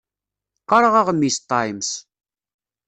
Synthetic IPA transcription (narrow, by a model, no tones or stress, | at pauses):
qːɑɾˤəʁɑʁmːist̪ˤːɑjms